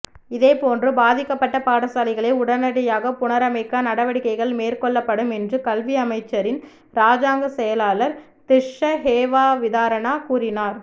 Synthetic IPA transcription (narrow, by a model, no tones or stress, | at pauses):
ɪðeːpoːndrɯbaːðɪkːɐpːɐʈːɐpaːɽɐsaːlɪɣɐɭeʊɽɐnɐɽɐjaːɣɐpʊnɐɾɐmɐɪkːɐnɐɽɐʋɐɽɪkːɐɪɣɐɭmeːɾkɔɭːɐpːɐɽɯmɛndrɯkɐlʋiɐmɐɪt͡ʃːɐɾɪn | ɾaːd͡ʒaːŋɡɐsɛjɐlaːlɐɾ | t̪ɪʂɐɦeːʋaːʋɪðaːɾɐɳaːkuːrɪnaːɾ